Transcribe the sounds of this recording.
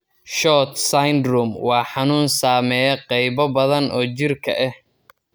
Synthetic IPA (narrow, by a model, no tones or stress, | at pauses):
ʃɔːt̪sajnd̪rʊmwɑːħɑnuːnsaːmɛjɛqɛjβɐbɐðɐnɔːt͡ʃɪrkʰɐ̰ʔɛh